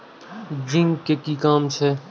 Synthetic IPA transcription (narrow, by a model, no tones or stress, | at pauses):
d͡ʒɪ̃ŋɡkekikaːmt͡ʃʰe